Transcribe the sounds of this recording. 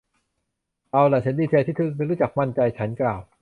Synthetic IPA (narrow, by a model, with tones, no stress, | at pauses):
ʔa˧wlɛː˨˩t͡ɕʰa˦˥nd̪iː˧˩t͡ɕʰeː˧t̪ʰiː˥˩t̪ʰɯ˧˥˩na˧˥˨ɾu˦˥t͡ɕa˨˩k̚ma˧˥˩nt͡ɕa˧jt͡ɕʰa˦˥nklaː˨˩w